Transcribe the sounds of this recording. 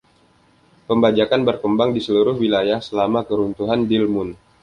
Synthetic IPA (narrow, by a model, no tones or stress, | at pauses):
pəmbad͡ʒakanbərkəmbaŋdisəluɾʊhwilajahsəlamakəɾunt̪uɦandilmʊn